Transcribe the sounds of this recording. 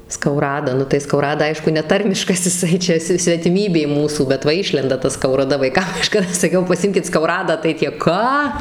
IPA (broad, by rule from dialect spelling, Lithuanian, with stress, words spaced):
skɐʊˈrɑːdɐ ˈnʊ tɐɪ skɐʊˈrɑːdɐ ˈɐɪʃkʊ nʲɛˈtɐrʲmʲɪʃkɐs ɪˈsɐɪ ˈt͡ʃʲɛ sʲɪ sʲʋʲɛtʲɪˈmʲiːbʲeː ˈmuːsuː bʲɛt ˈʋɐ ˈɪʃʲlʲɛndɐ tɐ skɐʊrɐˈdɐ ʋɐɪˈkɐm kɐˈʃkɑːdɐ sɐˈkʲɛʊ pɐˈsʲɪmʲkʲɪt skɐʊˈrɑːdɑː tɐɪ ˈtʲiɛ ˈkɑː